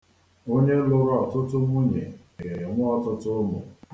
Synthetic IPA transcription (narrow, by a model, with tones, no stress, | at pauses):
o˦ɲe˦lʊ˦ɾʊ˦ɔ˨tʊ˦tʊ˦mʷu˦ɲe˨ | e˨ɾe˨ɾe˨ŋʷʊ˦ɔ˦tʊ˦tʊ˦mʊ̰˨